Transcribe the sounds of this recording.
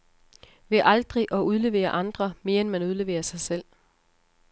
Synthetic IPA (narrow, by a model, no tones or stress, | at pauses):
ʋe̝ʔɑ̈ld̥ʁiʔɒ̽ʔuð̞ˠle̝ʋe̝̰ːɐʔɑ̈nd̥ʁɐme̝ːɐenmænuð̞ˠle̝ʋḛːɐsɑ̈ɪsel̰